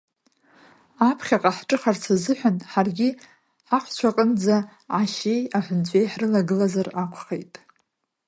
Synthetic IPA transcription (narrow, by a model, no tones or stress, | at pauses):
apʰχʲaqʼaħʈ͡ʂʼɨχart͡sʰazɨħʷᶣanħarɡʲɪ | ħaχʷt͡ɕʷʰaqʼənd͡za | ʕaʃe̞jaħʷʊnt͡ɕʷʼe̞jħrɨlaɡɨlazarakʷʰχejtʼ